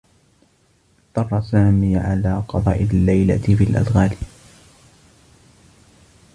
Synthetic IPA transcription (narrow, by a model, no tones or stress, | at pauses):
d̪ɑrˤːɑsaːmiːʕalaːqɑd̪ˤɑ̰ːʔɪlːajla̰t̪fiːlʔa̰d̪ɣaːl